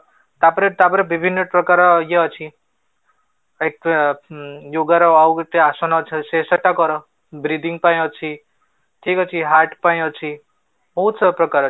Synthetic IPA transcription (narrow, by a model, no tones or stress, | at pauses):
t̪apɾet̪apʌɾebibʱinːʌpɾɔkaɾʌjeʌt͡sʰi | ek | joɡaɾɔawkʈ̪iasɔnʌt͡sʰisesʌʈːakɔɾʌ | bɾid̪iŋɡpaĩʌt͡sʰi | ʈʰikʌt͡sʰiɦaʈpaĩʌt͡sʰi | bɔɦut̪sʌpɾʌkaɾʌ